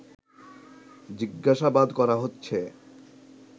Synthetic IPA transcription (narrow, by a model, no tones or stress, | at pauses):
d͡ʑiɡːaʃabad̪kɔɾaɦotːɕʰe